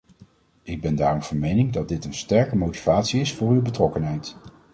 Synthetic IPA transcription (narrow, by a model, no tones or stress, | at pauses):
ɪɡ̚bɛndaːrɔmv̥ɑnmejnɪŋdɑd̚dɪtənstɛɹkəmowti̥vaːtsiɪsfʊːɹywbətrɔkənɦɛjt